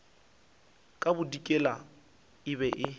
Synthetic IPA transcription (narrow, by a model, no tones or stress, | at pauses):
kʼabʊdikʼɛla | ɪbɛʔɪ